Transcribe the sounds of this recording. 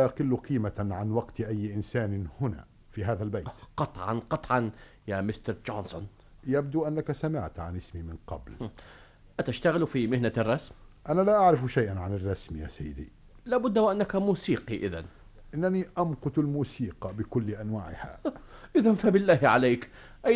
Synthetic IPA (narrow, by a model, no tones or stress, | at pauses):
aʔɑqɪlːʊqʰiːmaʕanwɑqt̪ʔajːʔɪnsaːnɪhʊna̰ | fiɦaːðalbaj̪qɑt̪ˤʕɑ̰nqɑt̪ˤʕɑn | jamɪst̪ɑɾˤd͡ʒoːnsʊn | jabd̪uʔanːakasamɪʕt̪ʕa̰nɪsmimɪnqɑ̰bl | ʔat̪aʃt̪aɣɪlfimɪhnarˤːɑsmʔanalaʔaʕɾɪfʃajʔanʕanɪrˤːɑsmja̰ːsajːɪd̪ḭ | laːbʊd̪ːawʔanːakamuːsiːqiʔɪ̰ða̰n | ʔɪnːaniʔɑmqʊt̪ɪlmuːsiːqɑbɪkʊlːʔanwaːʕɪ̰ha̰ʔɪðanfabɪlːaːhʕalaːk | ʔa